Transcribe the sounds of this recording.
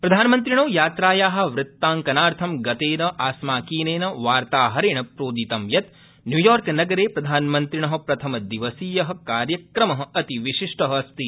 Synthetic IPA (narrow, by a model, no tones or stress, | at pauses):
pɾɐd̪ʱaːnmɐnt̪ɾiɳ̃oːjaːt̪ɾaːjaːɦɐ̆ʋɾɪt̪ːaːŋkɐnaːɾt̪ʰɐmɡɐt̪eːnɐʔaːsmaːkiːneːnɐʋaːɾt̪aːɦɐɾiɳ̃ɐpɾoːd̪it̪ɐmjɐt̪ | njuːjɔːɾknɐɡɐɾeːpɾɐd̪ʱaːnmɐnt̪ɾiɳɐɦɐ̆pɾɐt̪ʰɐmɐd̪iʋɐsiːjɐɦɐ̆kaːɾjɐkɾɐmɐɦɐ̆ɐt̪iʋiʃiʂʈɐɦɐɐst̪i